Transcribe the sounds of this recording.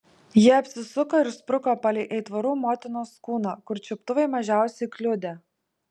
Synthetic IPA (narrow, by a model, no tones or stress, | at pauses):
jiɛɐpʲsʲɪsʊkoːɪɾspɾʊkopɐlʲɛɪʔɛɪt̪ʋɐɾuːmoːt̪ʲɪnoːskuːnoːkʊɾt͡ʃʲɪpt̪ʊʋɐɪmɐʒʲæˑʊsʲɛɪklʲʊd̪ʲɛ